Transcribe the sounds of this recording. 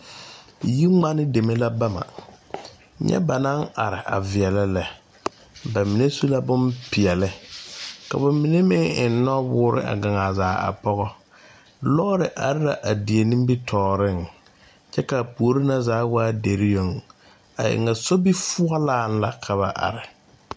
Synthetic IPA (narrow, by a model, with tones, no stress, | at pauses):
ji˦ŋ͡ma˦nɪ˦de˨me˦la˦ba˦ma̰˨ | ɲɛ̰˦ba˨na˦ŋa˨ɾɪ˨ʔa̰˨vɪ˨ɛ˨lɪ˦lɛ˨ | ba˨mi˨ne˦su˦la˦bʊ˦mpɪ˨ɛ˨lɪ˦ | ka˨ba˨mi˨ne˦mɪ˦ŋɪ˨n˦nɔ˦wʊː˦ɾɪ̰˦ʔa̰˨ɡa˨ŋa˨zaː˨˦a̰˨pɔ˦ɣɔ˦ | lɔː˦ɾɪ˨ʔa˨ɾɪ˦ɾa˨ʔa˨dɪ˨e˨nĩ˦mbi˦tʰɔː˨ɾɪ˦˨ŋ | t͡ʃɛ˦ka˨pu˨o˨˦ɾi˦na˦zaː˨˦waː˦de˨ɾɪ˦jo˨ŋ | a̰˨ʔɪ̰˨ŋa˨so˦bi˦fʊ˦a˦laː˦˨n˦la˨kʰa˨βa˨ʔa̰˨ɾɪ˨